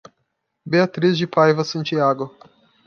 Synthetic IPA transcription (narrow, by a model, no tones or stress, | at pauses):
beat̪ɾizd͡ʒɪpajvɐsɐ̃nt͡ʃiaɡʊ